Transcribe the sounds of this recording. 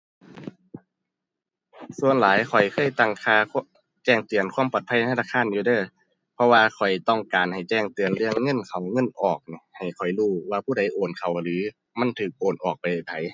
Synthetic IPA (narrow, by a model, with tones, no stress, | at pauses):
su˧˨ənlaː˨˦jkʰɔ˨˩jkʰɤː˧˥˩jt̪a˧˩ŋkʰaː˧˩ | t͡ɕɛː˧˩ŋt̪ɯ˨˩ənkʰwu˧˥˨pɔː˨˩t̪̚ʰa˧˩˨a˧naː˧˩kʰaː˧˥˨njuː˧dɤː˧˩˨ | pʰɔ˧waː˧kʰɔ˨˩jt̪ɔ˧˩ŋkaː˨nha˨˩jt͡ɕɛː˧˩ŋt̪ɯ˨˩ənlɯ˧əŋːɤ˧˥˨nkʰa˨˩wŋɤ˧˥˨nʔɔː˨˩k̚ni˧˦ha˨˩jkʰɔ˨˩jluː˧˩waː˧pʰuː˧˥˩da˧˩jʔoː˨˩nkʰa˨˩wlɯː˨˦ | ma˧˥˨nt̪ʰɯː˨˩k̚ʔoː˨˩nʔɔː˨˩k̚pa˨˩ja˨˩t̪ʰa˨˦j